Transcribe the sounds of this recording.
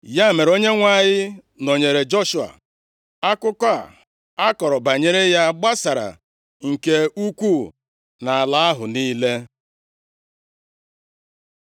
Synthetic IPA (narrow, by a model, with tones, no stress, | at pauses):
ja˦˨me˨ɾo˦ɲe˦ŋʷa˦˨ɲɪ˦ | no˨ɲe˨ɾe˨d͡ʒo˦ʃu˨a̰˨ | a˦kʊ˦kʷa˦˨ | a˦kɔ˨ɾɔ˨ba˨ɲe˦ɾe˦ja˦ɡ͡ba˦sa˨ɾa̰˨ | ŋ̩˨ke˦u˦kʷu˦˨ | na˨a˨la˦a˦ɦʊ˨niː˦le˦